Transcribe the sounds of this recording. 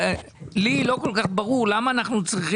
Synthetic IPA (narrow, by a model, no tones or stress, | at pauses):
lilokolkaχbaʁuʁlamaːnaχnut͡sʁiχ